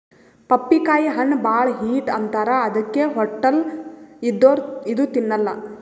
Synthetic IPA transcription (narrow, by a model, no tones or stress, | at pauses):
pɐpːikaːjiɦɐnːbaːɭɦiːʈɐnt̪aːɾɐːd̪ɐkːeɦɔʈːɐlid̪ːoːɾid̪ut̪inːɐlːɐ̰